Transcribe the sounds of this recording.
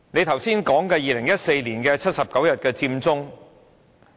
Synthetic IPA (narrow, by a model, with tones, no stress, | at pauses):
ne˨˧jt̪ʰɐ˨˩wsiː˥nkɔː˨˥ŋkɛː˧jiː˧lɪ˨˩ŋjɐ˥t̚se˧jliː˨˩nkɛː˧t͡sʰɐ˥t̚sɐ˨p̚kɐ˨˥wjɐ˨t̚kɛː˧t͡siː˧mt͡sʊ˥ŋ